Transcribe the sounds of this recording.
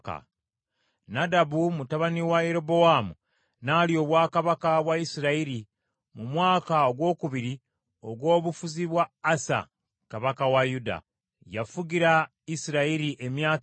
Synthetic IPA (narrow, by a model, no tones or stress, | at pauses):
ka̰ | nadabumutaβaniwaje̞ɾo̞bo̞wamṵ | naːlio̞ːβwaːkaβakaβwaisiɾaiɾi | mumwaːkaoɡwo̞ːkuβiɾi | o̞ɡwo̞ːβufuziβwaːsa̰ | kaβakawajuda̰ | jafuɟiɾa | isiɾaiɾiʔe̞mjaː